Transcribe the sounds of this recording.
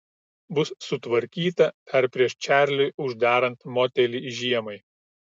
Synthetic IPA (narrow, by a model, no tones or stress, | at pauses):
bʊsːʊt̪ʋɐɾʲkʲiːt̪ɐpʲɛɾpʲɾʲiɛʃt͡ʃʲæːˑɾʲlʲʊɪʊʒʲd̪ɑːɾɐnt̪moːt̪ʲɛlʲiʒʲiɛmɐɪ